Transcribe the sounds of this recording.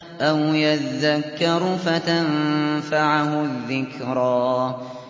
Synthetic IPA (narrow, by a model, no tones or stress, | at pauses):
ʔawjaðːakːɪɾʊfat̪amfaʕhʊðːɪkɾaː